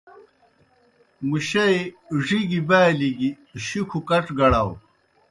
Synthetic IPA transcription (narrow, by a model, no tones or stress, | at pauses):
muɕɐj | ʐiɡibaːliɡi | ɕikʰukɐʈ͡ʂɡɐɽaw